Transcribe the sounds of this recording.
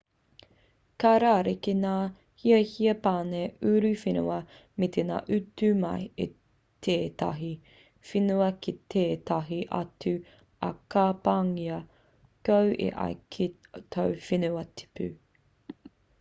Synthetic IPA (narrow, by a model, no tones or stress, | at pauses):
kaɾaːɾekenaː | hiɐhiɐpaːneʉɾʉfinṵɐ | met̪ʰena̰ːʔʉtʉmɐ̰jḛ | t̪ʰeːt̪ɐ̰ɦi | finuɐkit̪ʰeːt̪ɐɦiʔɐ̰tʉ | ɐ̰kaːpaŋiɐ | kɐwʔḛʔɐ̰jkʰet̪ʰowfinuɐtʰi̥pʰʉ̰